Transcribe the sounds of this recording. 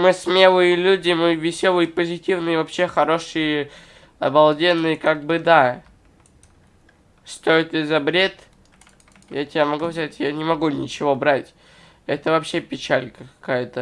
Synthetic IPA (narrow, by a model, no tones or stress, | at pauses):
mɨsmʲe̞lˠɨjəlʲudʲɪmɨvʲɪsʲolˠɨjɪpəzʲɪtʲivnɨjəvɐpɕːe̞xɐɾo̞ʂɨjə | ɐ̰bɐlˠdʲenːɨjəkaɡ̚bɨd̪a | st̪o̞ɪt̪ɪzɐbɾʲe̞t̪ | jatʲɪbʲamɐɡuzʲatʲjanʲɪmɐɡunʲɪt͡ɕɪvo̞bɾatʲ | ɛt̪əvɐpɕːe̞pʲɪt͡ɕalʲkəkɐ̥kajət̪ə